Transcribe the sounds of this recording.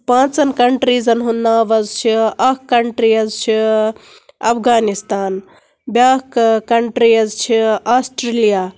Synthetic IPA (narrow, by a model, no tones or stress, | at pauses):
pãːt͡sɐnkɐɳʈɾiːzɐnɦunːaːʋɐzt͡ʃʰiɐkkːɐɳʈɾiːɐzt͡ʃʰi | ɐfʰɡaːnist̪aːn | bjaːkkɐɳʈɾiɐzt͡ʃʰiaːsʈɾelijaː